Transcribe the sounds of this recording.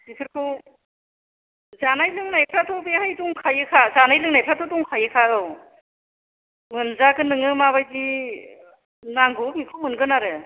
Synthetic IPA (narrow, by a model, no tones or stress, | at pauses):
isʰɯɾkʰɯw | zanajlɯŋnajpʰɾatʰɔbehajtuŋkʰajɯkʰazanajlɯŋnajpʰɾatʰɔtuŋkʰajɯkʰaɯw | mɯnzakɯnɯŋɯmaβajzi | naŋɡɔmikʰowmɯnɡɯnaɾɯ